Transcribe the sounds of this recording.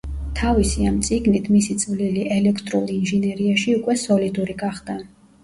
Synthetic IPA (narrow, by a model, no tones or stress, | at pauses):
t̪ʰavisiamt̪sʼiɡnit̪ʰmisit̪sʼvliliʔɛlɛkʰt̪ʼɾulˠinʒɛnɛɾiaʃiukʼwɛsɔlid̪uɾiɡaχd̪̥a